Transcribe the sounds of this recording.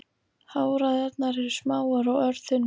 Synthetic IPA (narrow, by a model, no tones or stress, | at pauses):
haːwɾaðɛt̪naɾɛɾʏ̥smaːwaɾawœɾðʏn